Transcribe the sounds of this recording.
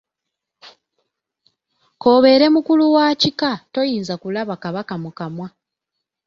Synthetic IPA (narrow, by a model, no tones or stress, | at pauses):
ko̞ːβe̞ɾe̞mukuluwaːcikato̞jiːnzakulaβakaβakamukamwa